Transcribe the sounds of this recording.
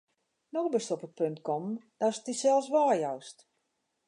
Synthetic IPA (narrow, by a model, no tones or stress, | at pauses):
nɔxbɪstɔpət̚pøntkɔmd̥astisɛlˠsʋaːjɔwst